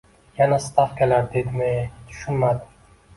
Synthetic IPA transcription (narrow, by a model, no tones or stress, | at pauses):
janast̪ʰɑfkʲʰelaɾd̪ed̪ɪmet̪ʰʊ̥ʃʊnmad̪ɪ